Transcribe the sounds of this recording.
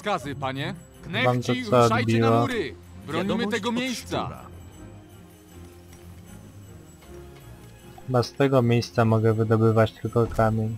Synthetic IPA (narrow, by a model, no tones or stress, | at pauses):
kazɪpaɲɛ | vamt̪ɔt̪sɔːbʲiwaɾ | ɾɔɲimt̪ɛɡɔmʲejst̪sa̰ | bɛst̪ɛɡɔmʲjejst̪samɔɡɛvɘd̪ɔbɘvat͡ɕt̪lkɔkamʲen